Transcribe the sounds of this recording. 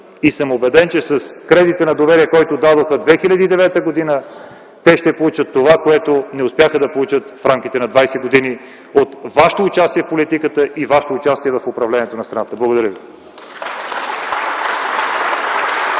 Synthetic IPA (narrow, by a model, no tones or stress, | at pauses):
isɤmobɛd̪ɛnt͡ʃɛsɐskɾɛd̪it̪ənɐd̪ovɛɾiɛkɔjt̪od̪ad̪oxəd̪vɛxilʲɐd̪iːd̪ɛvɛt̪əɡod̪inə | t̪ɛʃt̪ɛpolˠut͡ʃət̪ːovakoɛt̪onɛʊspjaxəd̪ɐpolˠut͡ʃət̪fɾamk̟it̪ɛnɐd̪vajsɛɡod̪ini | ot̪vaʃt̪oːt͡ʃast̪iɛfpolit̪ikət̪əʔivaʃt̪oːt͡ʃast̪iɛvɐfopɾɐvlɛnʲiɛt̪onɐst̪ɾɐnat̪əblˠəɡod̪ɐɾəvi